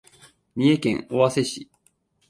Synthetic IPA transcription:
ɲ̟ʲie̞kẽ̞̰ŋo̞βase̞ɕi

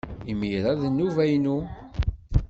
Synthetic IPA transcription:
imiɾˤæðnːuvæjnu

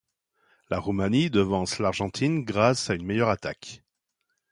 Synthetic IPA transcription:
laʁumanid̪əvɑ̃slaʁʒɑ̃t̪ʰinɡʁasaynmɛjœʁat̪a̰k

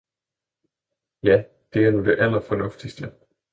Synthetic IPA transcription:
jæ | d̥e̝æɐnud̥e̝ʔælɐfɒ̽nɔ̽fd̥isd̥ə

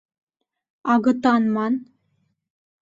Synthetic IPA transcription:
ɑɣɤ̆t̪ɑnmɑn

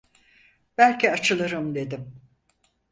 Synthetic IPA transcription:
b̥ælʲcʰiat͡ʃʰɯlˠɯɾɯmd̪e̞d̪im

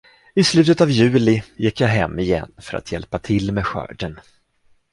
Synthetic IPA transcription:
ɪslʉ̟ːt̪ət̪avjʉ̟ːlɪjɪkːjaɦɛmːɪjɛ̰nːfœɾa̰t̪ʰjɛlpat̪ʰɪlːmeːɧœ̰ːɖən

